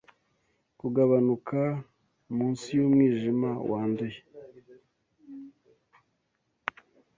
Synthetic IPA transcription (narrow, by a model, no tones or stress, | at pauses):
kuɡaβanukʰa | muːnsijomŋiːʒimawaːnduje